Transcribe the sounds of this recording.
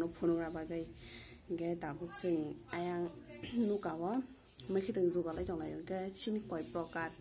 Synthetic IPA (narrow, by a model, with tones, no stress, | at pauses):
nɔ˧pʰu˧nu˧ŋɾa˧ba˧ɡɯ˧jɡɛ˧da˨bɯ˦k̚sɯ˧ŋa˧ja˧ŋnu˦ka˨wɔ | mɯ˧jkʰi˦tɯ˨ŋzu˨ba˨la˦jtɔ˨ŋla˨jɔ˨ɡɛ˦sʰi˦nkɔ˨jpɾɔ˧ka˧t̚